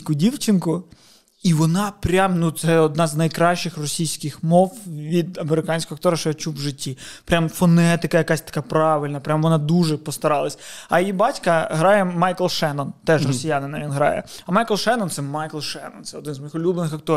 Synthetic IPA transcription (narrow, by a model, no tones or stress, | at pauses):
kʊdʲiwt͡ʃɪnkʊ | iʋɔnɑpɾʲamnut̪sɛɔd̪̚nɑznɐjkɾɑʃt͡ʃɪxrɔsʲijsʲkɪxmɔwʋʲid̪ɐmeɾɪkɑnʲsʲkɔɦɐkt̪ɔɾɐʃt͡ʃɔɐt͡ʃuʋʒɪtʲːipɾʲamfɔnɛt̪ɪkɐjɐkasʲt̪ɐ̥kɑpɾɑʋɪlʲnɐpɾʲamʋɔnɑd̪uʒɛpɔst̪ɐɾɑlˠɐsʲɐjjibɑtʲkɐɦɾɑjɛmɑjklˠʃɛnɔnt̪ɛʃrɔsʲijanɪnɐʋʲinɦɾɑ̰jɛ̰ɐmɑjklˠʃɛnɔnt̪sɛmɑjklˠʃɛnɔ̰nt̪sɛɔd̪ɪnzmɔjixʊlʲublˠenɪxɐk̚t̪ɔ